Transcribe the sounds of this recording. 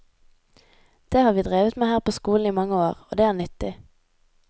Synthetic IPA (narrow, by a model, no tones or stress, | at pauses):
d̪̥eːhɑːʁʋiːd̪ʁeːʋət̪meːhæːʁpʰoːskuːln̩iːmɑŋəoːʁo̰ːd̪eːæːʁnʏt̪ɪ